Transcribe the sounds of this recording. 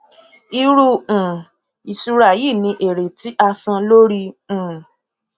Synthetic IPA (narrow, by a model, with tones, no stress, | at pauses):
i˧ɾu˧ũ˨ | i˨su˧ɾa˧˨ji˦˨nĩ˧ʔe˨ɾe˨tʰi˨˦ʔa˧sã˧lo˦ɾi˧ũ˨